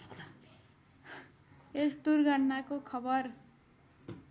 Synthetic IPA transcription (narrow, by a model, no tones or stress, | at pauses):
est̪urɡʌnnakokʰʌbʌr